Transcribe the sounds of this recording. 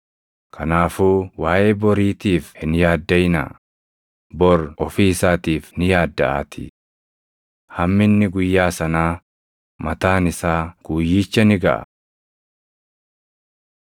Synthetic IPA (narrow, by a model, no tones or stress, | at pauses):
kʰɐnaːfuːwaːʔeːbɔɾiːt̪iːfhɪnjaːd̪ːɐjnɐ̰ | bɔɾɔfiːɪsaːt̪iːfnɪjaːd̪ːɐʔa̰ːt̪ɪ̰ | hɐmːɪnːɪɡʊjːaːsɐnaː | mɐt̪aːnɪsaːɡ̥uːjːiːt͡ʃːɐnɪɡɐ̰ʔɐ̰